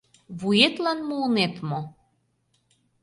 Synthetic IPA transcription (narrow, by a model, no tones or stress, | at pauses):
βujet̪lɑnmulnet̪mo